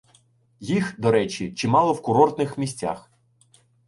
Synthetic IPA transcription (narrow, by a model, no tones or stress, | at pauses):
jixd̪ɔɾɛt͡ʃʲit͡ʃɪmɑlˠɔwkʊɾɔrt̪nɪxmʲisʲt͡sʲa̰x